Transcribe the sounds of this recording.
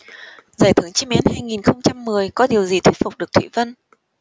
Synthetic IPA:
zaː˧˩jt̪ʰɨ˨˧˩əŋt͡ɕi˧˥mɛ˨˦nhaː˧jŋi˨˩nxə˧wŋ͡mt͡ɕa˧mːɨ˨˩əjkɔ˨˦ɗi˨˩əwzi˨˩t̪ʰwt̚fʊ˨˩k͡p̚ɗɨ˨˩ək̚t̪ʰḭ˧˨və˧n

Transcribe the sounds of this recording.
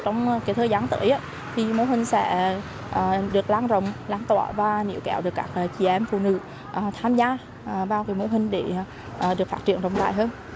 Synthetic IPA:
t͡ɕɔ˧wŋ͡mkaː˨˦jt̪ʰəː˧jzaː˨˦nt̪ə̰ː˧˦jʔaː˧˦ | t̪ʰi˨˩mo˨˧˦ɦï˧˩ŋ̟sɛ̰˧˥ | ʔəː˨˩ɗɨ˨˩ək̚laː˧nzə̰˧˨wŋ͡mlaː˧nt̪wa̰ː˧˩vaː˨˩nḭ˨˧˩əwkɛ̰˧˩wɗɨ˨˩ək̚ːaː˦˥k̚ʔːt͡ɕi˧˩ʔɛ˧mfṵ˧˨nɨ̰˧˥ | ʔəː˨˩t̪ʰaː˧mzaː˧˨˩ | ɓaː˧wka˨˦jmo˧˦ɦï˧ŋ̟ɗe˧˦˨ | ʔəː˨˩ɗɨ˨˩ək̚faː˦˥t̚t͡ɕḭ˧˨ənzə˨wŋ͡mt̪a̰ː˧˨jɦəː˧n

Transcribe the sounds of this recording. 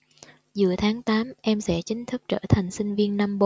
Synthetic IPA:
zɨ̰˧˩ət̪ʰaː˨˦ŋt̪aː˨˦mʔɛ˧msɛ̰˧˥˩t͡ɕï˨˦ŋ̟t̪ʰɨ˦˥k̚t͡ɕə̰ː˧˩t̪ʰa˨˩ŋ̟sï˧ŋ̟vi˧ənːa˧mɓo˧˦

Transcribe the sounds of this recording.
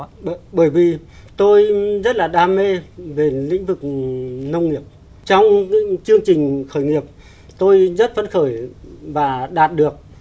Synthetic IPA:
ɓəː˧˩jvi˨˩ | t̪o˧jzə˦˥t̚laː˨˩ɗaː˧me˧ve˨˩lḭ̈˧˥ŋ̟vɨ˨˩k̚nə˧wŋ͡mŋi˨˩əp̚ | t͡ɕɔ˧wŋ͡mt͡ɕɨ˧əŋt͡ɕï˨˩ŋ̟xəː˧˩jŋi˨˩əp̚ | t̪o˧jzə˦˥t̚fə˧˦nxəː˧˩jvaː˨˩ɗaː˨˩t̚ɗɨ˨˩ək̚

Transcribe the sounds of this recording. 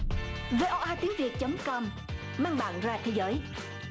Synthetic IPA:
ve˧ʔɔ˧ʔaː˧t̪i˨˦ŋvi˨˩ət̚t͡ɕə˨˦ŋ͡mkɔ˧m | maː˧ŋɓa̰ː˧˨nzaː˧t̪ʰe˨˦jzəː˨˦j

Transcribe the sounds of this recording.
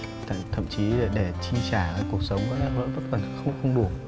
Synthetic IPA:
t̪ʰa̰ː˧˨t̪ʰə̰˧˨mt͡ɕi˨˦e˧˩ɗe˧˩t͡ɕï˧ŋt͡ɕaː˧˩ə˨˩ku˨˩ək̚sə˨˦wŋ͡mkɔ̰˧˨˥la̰ː˧˥lə̰ː˧˥və˦˥t̚kə˨˩nxə˧wŋ͡mxə˧wŋ͡mɗu˧˩

